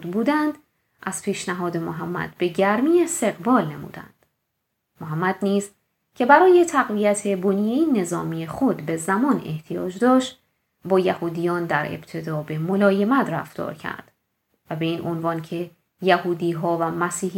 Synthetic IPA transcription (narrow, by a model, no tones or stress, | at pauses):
d̪buːd̪ænd̪̥ | ʔæz̥pʰiːʃnæɦɒːd̪e̞moɦæmːæ̰d̪be̞ɟæɾmiːe̞st̪e̞ɣbɒːlne̞mṵːd̪æ̰nd̪̥ | moɦæmːæd̪niːz | cʰe̞bæɾɒːje̞t̪ʰæɣviæt̪ʰe̞bonijejine̞zɒːmiːexo̞d̪be̞zæmɒːne̞̰ht̪ʰijɒ̰ːd͡ʒd̪ɒːʃt̪ | bɒːjæhuːd̪ijɒːnd̪æɾe̞̰b̥t̪ʰe̞d̪ɒːbe̞mo̞lɒːje̞mæt̪ʰræ̰ft̪ɒ̰ːɾcʰæ̰ɾd̪̥ | væbe̞iːnʔo̞nvɒːncʰe̞ | jæhuːd̪iːɦɒːvæmæsiːh